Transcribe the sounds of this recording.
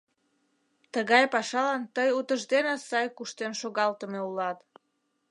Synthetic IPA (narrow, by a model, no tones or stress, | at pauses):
t̪əɣɑjpɑʃɑlɑnt̪əjut̪əʒd̪enesɑjkuʃt̪enʃoɣɑlt̪əmeulɑt̪